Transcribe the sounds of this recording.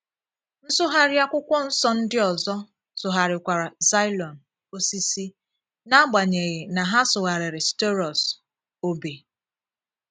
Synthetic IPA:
n̩˦sʊ˦ɦa˦ɾja˦kʷʊ˦kʷɔ˦n̩˦sɔ˦n̩˦dɪ˦ɔ˨zɔ˦ | sʊ˨ɦa˨ɾɪ˨kʷa˨ɾa˨za˦jlɔ˨n | o˦si˦si˦ | na˦ɡ͡ba˨ɲe˨ɣe˨na˨ɦa˦sʊ˨ɣa˨ɾɪ˨ɾɪ˨ste˦ɾɔ˨s | o˦be˨

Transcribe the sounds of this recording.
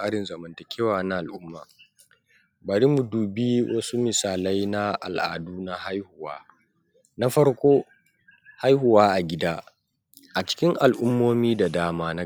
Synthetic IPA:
aː˦ɽɪ˨nzɐ˨mɐ˨ntɐ˨kʲʰeː˦waː˨na˦ʔa˨lʔʊ˦mːa̰ː˨ | bɐ˨ɽi˦mu˨duː˨bi˦wʔɐ˦su˦mɪ˨saː˨lɐ˦jna˦ʔa̰˨lʔa̰ː˨duː˦na˦ha˦jhʊ˨wa̰ː˦ | na˦ɸɐ˦ɽkʷoː˦ | ha˦jhʊ˨waː˦ʔa˨ɡʲɪ˦daː˦ | ʔa˨t͡ʃɪ̥˦kʲɪ˦ŋʔa˨lʔʊ˦mːoː˦miː˦da˨daː˦maː˦na˦

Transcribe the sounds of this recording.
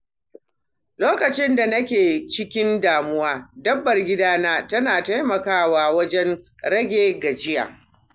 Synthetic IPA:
loː˦kɐ˨t͡ʃɪ˦nda˨nɐ˦kʲeː˨t͡ʃɪ˦kʲɪ˦ndaː˨mʊ˦waː˦dɐ˦bːɐ˨rɡʲɪ˦daː˦naː˦tɐ˦naː˨ta˦jmɐ˨kaː˦waː˨wɐ˦d͡ʒɛ˦n | ɾɐ˦ɡʲeː˨ɡa˨d͡ʒɪ˦ja̰ː˨

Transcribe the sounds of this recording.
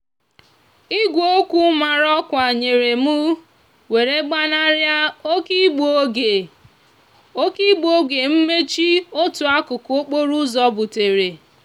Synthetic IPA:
i˦ɡʷo˨o˦kʷu˦ma˨ɾɔ˦kʷa˨ɲe˨ɾe˨mu˦ | we˨ɾe˦ɡ͡ba˦na˦ɾja˦o˦ki˦ɡ͡bo˦ɡe˨ | o˦ki˦ɡ͡bo˦ɡe˨m̩˦me˦t͡ʃi˦o˦tʊ˨a˦kʊ˨ko˦k͡po˦ɾu˦zɔ˨bʊ˨te˨ɾe˨

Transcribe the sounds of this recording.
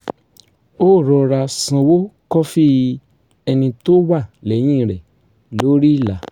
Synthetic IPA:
o˦˨ɾɔ˧ɾa˧sã˧wo˦kɔ˦fi˦ | ɛ˧nĩ˧to˦wa˦˨lɛ˨˦j̃ĩ˦˨ɾɛ˨ | lo˨˦ɾi˦˨la˨˦

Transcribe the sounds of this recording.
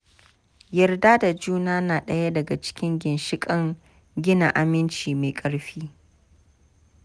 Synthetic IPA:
jɐ˨rdaː˦da˨d͡ʒuː˦naː˦naː˨ɗɐ˦ja˦dɐ˨ɡa˨t͡ʃɪ̥˦kʲɪ˦ŋɡʲɪ˨nʃɪ˦kʼɐ˦ŋ | ɡʲɪ˦na˨ʔa˨mɪ˦nt͡ʃiː˨me˨kʼɐ˦ɽɸiː˦

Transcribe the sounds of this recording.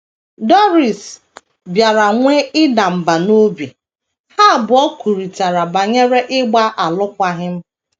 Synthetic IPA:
dɔ˦ɾi˨s | bja˨ɾa˨ŋʷe˦ɪ˦da˨m̩˨ba˨no˦bi˨ | ha˦˨bʊ˨ɔ˦kʷu˨ɾi˨ta˨ɾa˨ba˨ɲe˦ɾe˦ʔɪ˦ɡ͡ba˦ʔa˨lʊ˦kʷa˦ɦɪ˦m̩˦

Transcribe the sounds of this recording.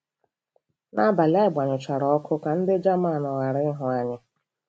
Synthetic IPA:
na˦ba˨la˦ɪ˦ɡ͡ba˨ɲʊ˨t͡ʃa˨ɾɔ˨˦ɔ˦kʰʊ˦ka˨n̩˦dɪ˦d͡ʒa˦ma˦˨nʊ˨ɣa˨ɾɪ˦ɦʊ˨a˦ɲɪ˦

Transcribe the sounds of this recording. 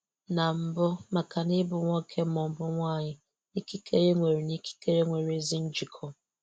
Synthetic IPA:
na˨m̩˦bʊ˦ma˨ka˨nɪ˦bʊ˨ŋʷɔ˦kʰe˦mɔ˨m̩˨bʊ˦ŋʷa˦˨ɲɪ˦ | ni˦ki˦kʰe˦ɾe˦ŋʷe˨ɾi˨ni˦ki̥˦ke˦ɾe˦ŋʷe˨ɾe˨zi˦n̩˦d͡ʒi˨kʰɔ˦

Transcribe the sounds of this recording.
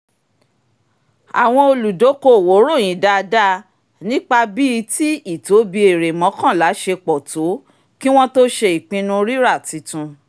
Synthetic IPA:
a̰˨w̃ɔ̃˧o˧lu˨do˨˦ko˦˨wo˨˦ɾo˦˨j̃ĩ˨˦da˧da˦ | nĩ˦k͡pa˧bi˦˧ti˦i˦˨to˨˦bi˧˦e˨ɾe˨mɔ̃˨˦kã˦˨la˨˦ʃe˧k͡pɔ˨to˨˦ | ki˦w̃ɔ̃˦to˦ʃe˧i˨k͡pĩ˧nũ˧ɾi˦ɾa˦˨ti˧˦tũ˧

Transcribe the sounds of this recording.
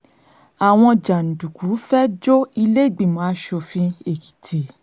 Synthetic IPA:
a˨w̃ɔ̃˧d͡ʒa˨n̩˨du˨ku˨˦fɛ˦d͡ʒo˦i˧le˦i˦˨ɡ͡bĩ˨mãː˨˦ʃo˧fĩ˦e˦˨ki̥˨tʰe˨˦

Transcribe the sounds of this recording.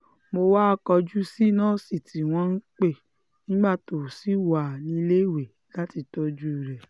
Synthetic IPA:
mo˧wa˦˧kɔ˧d͡ʒu˦si˦˨nãː˦˨si˦˨ti˨w̃ɔ̃˧˦n̩˦k͡pe˦˨ | nĩ˦ɡ͡ba˦˨to˨si˦wa˨nĩ˧i˧le˦˨we˨ | la˦ti˧tɔ˧˦d͡ʒu˦˨ɾɛ˨

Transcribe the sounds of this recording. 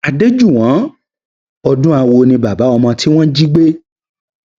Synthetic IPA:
a˨de˦d͡ʒu˦˨w̃ã˨˦ | ɔ˧dũ˦a˧wo˧nĩ˧ba˨ba˨˦ɔ˧mã˧ti˦w̃ɔ̃˦d͡ʒi˦ɡ͡be˦

